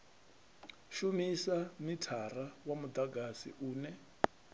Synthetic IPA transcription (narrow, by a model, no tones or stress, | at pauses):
ʃumisamitʰarawamud̪aɡasḭʔuːnɛ